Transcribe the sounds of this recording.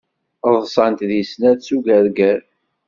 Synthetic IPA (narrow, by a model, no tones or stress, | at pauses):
ðˤsˤɑnt̪ðisnæðsuɡæɾɡæɾ